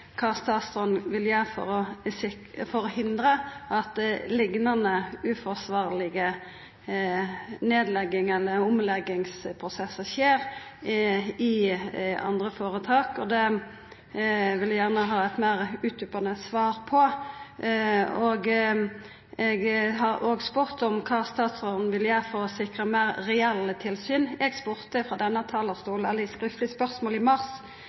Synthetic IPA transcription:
kʰɑst̪ɑːst̪ʁɔnʋɪljæːfɔ̰ɾɔ | fɔɾɔhɪnd̪ʁəʔɑt̪lɪɡnɑnəʉːfɔsʋɑːʁlɪɡə | neːd̪lɛɡːɪŋɛlːəʊmlɛɡːɪŋspʰʁʊsɛsːəʁʃeːɾ | ɪ | ɑ̰nd̪ʁəfoːɾət̪ʰɑːkɔd̪ɛ | ʋɪljæʁnəɦɑːɛt̪mæʁʉːt̪ʉpɑnəsʋɑːɾpʰɔ | oːɡ | ɛɡɦɑɾoːɡspʉʁt̪ɔmkʰɑːst̪ɑːt̪soːd̪n̩ʋɪljæːfɔɔsɪkʁəmæːɾːɛɛlːət̪ʰɪlsyːnɛɡspʉʁt̪əfʁɑd̪ɛnːət̪ʰɑːləʁst̪uːlnɛlːəskʁɪft̪lɪspœʁsmoːlɪmɑʁs

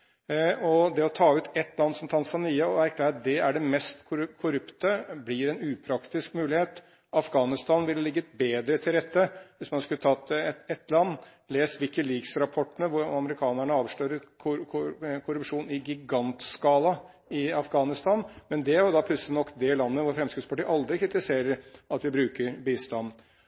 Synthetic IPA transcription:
ɔd̪ɛɔt̪ʰɑːʉːt̪ʰɛt̪ːlɑnd̪sɔmt̪ʰɑnsɑniːəɔæɾkʰlæːɾt̪̚d̪ɛæɖɛmɛst̪kʰʊɾkʰʊɾʉpt̪əblɪɾɛnʉːpʰɾɑkt̪ɪskmʉːlɪheːt̪ | ɑfɡɑːnɪst̪ɑːnʋɪllɪɡːəbeːd̪ɾət̪ʰɪlɾɛt̪ːəʋɪsmɑnskʉlət̪ʰɑt̪ːɛt̪lɑnː | leːsʋɪkəliksɾɑpʰɔʈːənəʋʊɾɑməɾɪkʰɑːnæɳəɑːʋʂløːɾəkʰʊkʰʊɾʉpʂuːnɪɡɪɡɑnt̪skɑːlɑ | ɪɑfɡɑːnɪst̪ɑːnmɛnd̪ɛæɾjʊd̪ɑpʰlʉt̪slɪnɔkːd̪ɛlɑnːəʋʊɾfɾɛmskɾɪt̪spʰɑʈiːʔɑld̪ɾɪkʰɾɪt̪ɪseːɾəɾɑt̪ʋɪbɾʉːkəɾbiːst̪ɑnː

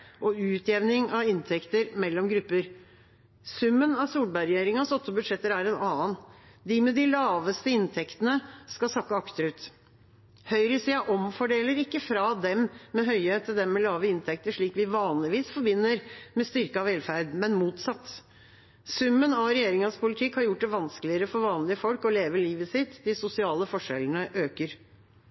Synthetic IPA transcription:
ʔɔʉːt̪ʰjɛʋnɪŋɑʋɪnt̪ʰɛkt̪əɾmɛlːɔmɡɾʉpːəɾ | sʉmːənɑʋsuːlbæɾɛjeːɾɪŋɑsɔt̪ːɔbʉd̪ʂɛt̪ːəɾæɖɛnɑːən | d̪ɪmɛd̪ɪlɑːʋəst̪əɪnt̪ʰɛkt̪ənəskɑsɑkːɑɑkt̪əɾʉːt̪ | hœʏɾəɪsiːɑʔɔmfɔɖeːləɾɪkːəfɾɑd̪ɛmmɛɦœʏet̪ʰːɪld̪ɛmmɛlɑːʋəɪnt̪ʰɛk̚t̪əʂɭiːkʋɪʋɑːnlɪʋiːsfɔɾbɪnːəɾmɛst̪ʏɾkəɑʋɛlfæɾd̪mɛnmuːt̪sɑt̪ː | sʉmːənɑɾɛjeːɾɪŋɑspʰʊlɪt̪ʰɪkhɑɾjʊʈ̚ːd̪ɛʋɑnskəlɪəɾəfɔɾʋɑːnlɪəfɔlkɔleːʋəliːʋəsɪt̪ːd̪ɪsʊsɪɑːləfɔʂɛ̰lən̩əʔøːkəɾ

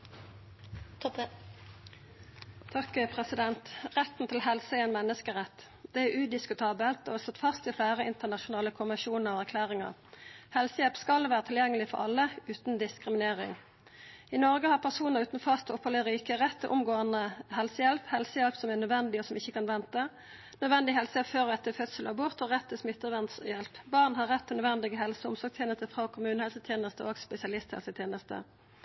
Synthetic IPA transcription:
t̪ʰɑkpʰʁɛsɪd̪ɛnt̪ʁɛt̪n̩t̪ʰɪlɦɛlsəɛenmɛnːəskəʁɛt̪ː | d̪̥ɛæʉd̪ɪskʉt̪ʰɑːbəlt̪o̰sɔt̪ːfɑst̪ɪflæːʁəɪnt̪ənɑʃʊnɑːləkʰʊmɪʃuːnəʁɔːæʁkʰlæːʁɪŋə̰ʁhɛlsəjɛlpskɑlʋæːʁət̪ʰɪljɛŋːəlɪfɔ̰ɾɑ̰lːəʉːt̪n̩d̪ɪskʁɪmɪneːʁɪ̰ŋ | ɪnɔʁɡəhɑʁpʰæʁsuːnəʁʉːt̪nfɑst̪ɔphələʁiːkəʁɛt̪ːʔʊ̰mɡoːənəhɛlsəjɛlphɛlsəjɛlpsɔmænœd̪ʋɛnd̪ɪɔsɔmɪçːəkɑnʋɛnt̪ə | nœd̪ʋɛnd̪ɪɦɛlsəjɛpføːʁɔɛt̪ːəfœt̪səlɑbʊʁt̪ɔʁɛt̪ʰːɪsmɪt̪ːəʋɛnt̪sjɛlpbɑʁnhɑʁɛt̪ʰːnœd̪ʋɛnd̪ɪɡəɦɛlsəʊmsɔʁɡ̚t̪ʰjeːnəst̪əfʁɑkʰʊmʉːnəhɛlsət̪ʰjeːnəst̪əʔoːɡspɛsɪɑlɪst̪hɛ̰lsət̪ʰjeːnəst̪ə̰

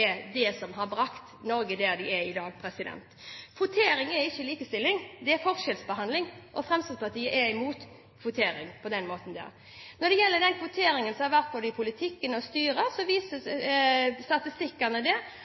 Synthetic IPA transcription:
ɛd̪ɛsɔmɦɑɾbɾɑkt̪nɔɾɡəd̪æd̪ɪɛɪd̪ɑːɡpʰɾɛsɪd̪ɛ̰nt̪kʰʋʊt̪ʰeːɾɪŋɛɾɪçːəliːkəst̪ɪlːɪŋd̪ɛɛfɔʁʃɛlsbəɦɑnd̪lɪŋʔɔfɾɛmst̪əspʰɑt̪iːəʔɛɪmuːt̪ | kʰʋʊt̪ʰeːɾɪŋpʰɔd̪ɛnmoːt̪n̩d̪ɛ̰ɾ | nɔd̪ɛjɛlːəd̪ɛnkʰʋʊt̪ʰeːɾɪŋənsɔmhɑʋæʁt̪̚boːd̪əɪpʰʊlɪt̪ʰɪkːənɔst̪yːɾəsɔʋiːsə | st̪ɑt̪ɪst̪ɪkːənəd̪ɛ

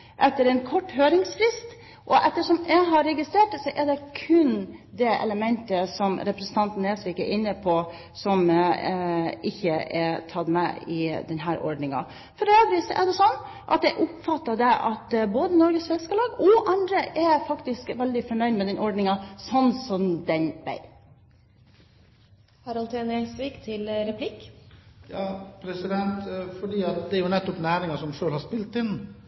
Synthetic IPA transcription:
ʔɛt̪ːəɾɛnkʰɔʈːɦøːɾɪŋsfɾɪst̪ | ʔɔʔɛt̪ːəʂɔmjæɪɦɑɾɛɡɪst̪ɾeːʈsɔʔɛɖɛkʰʉnd̪ɛʔɛ̰ləmɛnt̪əsɔmɾɛpɾɛsn̩t̪ɑnt̪n̩eːsʋiːkəɾʔɪnːəpʰɔ | sɔm | ɪçːəɛt̪ʰɑt̪mɛ̰ɪd̪ɛnɦæːɾɔ̰ɖɳɪŋɑ̰ | fɔɾeːd̪ɾiːsɔʔɛ̰ɖ̪ɛsɔnː | ʔɑ̰t̪̚d̪ɛʔʊpfɑt̪ːɑd̪ɛʔɑ̰t̪boːd̪ənɔɾɡəsʋɛskəlɑːɡɔʔɑnd̪ɾəʔɛfɑkt̪ɪskʋɛld̪ɪfɔɳœʏd̪mɛd̪ɛnʔɔɖnɪŋɑsɔnːsɔmd̪ɛnbæ̰ɪ | hɑɾɑlt̪ʰeːnɛsʋikt̪ʰɪlɾɛpʰlɪkjɑːpʰɾɛsɪd̪ɛnt̪fɔɖiːɑt̪̚d̪ɛæɾjʊnɛt̪ːɔpnæːɾɪŋɑsɔmʂøːlhɑʂpɪlt̪ɪnː

